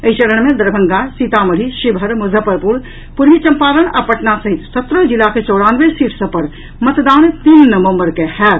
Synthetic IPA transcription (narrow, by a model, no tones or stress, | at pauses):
eit͡ʃəɾəɳ̃mẽd̪əɾbʱəŋɡasit̪aməɽ̤ʱiʃibʱəɾmuzʱəpəɾpuɾ | puɾʋit͡ʃəmpaləna̰pəʈnasəɦit̪sət̪ɾəd͡ʒilaket͡ʃowɽanʋesiʈʰsə̃pəɾ | mət̪d̪añt̪inːəʋə̃mbəɾkehɛ